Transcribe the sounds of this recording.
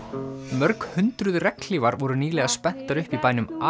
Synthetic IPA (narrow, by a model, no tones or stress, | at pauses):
mœɾkhʏnt̪ɾʏðrɛkl̥iːvaɾvɔɾʏniːlɛɣaspɛn̥t̪aɾʏhpipaːjnʏma